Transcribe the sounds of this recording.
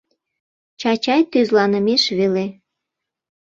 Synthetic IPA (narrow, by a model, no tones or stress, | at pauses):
t͡ɕɑt͡ɕɑjt̪yzlɑnəmeʃβele